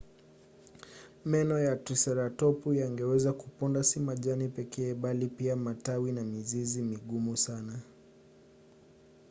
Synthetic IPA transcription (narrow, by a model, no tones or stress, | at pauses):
mɛnɔjatɾisaɾatɔpujaŋɡɛwɛzakupɔndasimaʄanipɛkɛːɓalipiamatawinamizizimiɠumusana